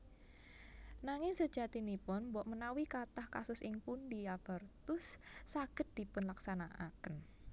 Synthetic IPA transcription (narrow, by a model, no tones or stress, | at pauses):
naŋɪŋsəd̥ʒ̥at̪inipʊnmbɔʔmənawikat̪ahkasʊsɪŋpundiab̥ərt̪ʊsːaɡ̥ə̤t̪̚d̪̥i̤pʊnlaksanaʔa̰kən